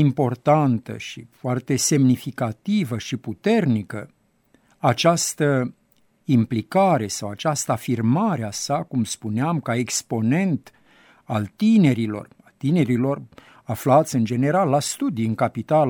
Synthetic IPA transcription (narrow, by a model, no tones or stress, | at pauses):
impo̞rt̪ant̪ə̰ʃḭfoart̪e̞se̞mnifikat̪ivəʃiput̪e̞rnikə | at͡ʃast̪ə | implikaɾe̞sawat͡ʃast̪əafirmaɾeasakumspuneamkae̞kspo̞ne̞nt̪ | alt̪ine̞ɾilo̞̰rat̪ine̞ɾilo̞r | aflat̪sʲɨnd͡ʒe̞ne̞ɾalːast̪ud̪iɨŋkapit̪al